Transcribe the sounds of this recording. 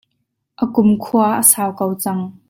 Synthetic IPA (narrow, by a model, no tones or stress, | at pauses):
ʔəkʊmkʰuaʔəsaːwkowt͡sɐŋ